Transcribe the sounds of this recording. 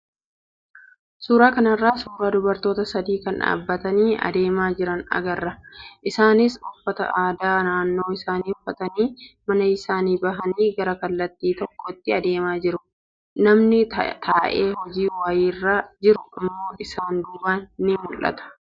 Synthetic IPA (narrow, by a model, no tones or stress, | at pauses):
suːɾaːkɐnɐrːaːsuːɾaːd̪ʊbɐɾt̪o̞ːt̪ɐsɐd̪iːkɐnᶑa̰ːbːɐt̪ɐniːɐ̰d̪e̞ːmaːd͡ʒɪɾɐnɐ̰ɡɐrːɐʔɪsaːnɪsʊfːɐt̪ɐ̰ʔaːd̪aːnaːnːo̞ːɪsaːniːʊfːɐt̪ɐniːmɐnɐɪsaːniːbɐɦɐniːɡɐɾɐkɐlːɐt̪ːiːt̪ɔkːɔt̪ːɪɐd̪e̞ːmaːd͡ʒɪɾʊ | nɐmnɪt̪ʰaːʔeːhɔd͡ʒiːwaːjiːrːaːd͡ʒɪɾʊɪmːo̞ːʔɪsaːnd̪uːbaːnːɪmʊlʔɐ̰t̪ɐ̥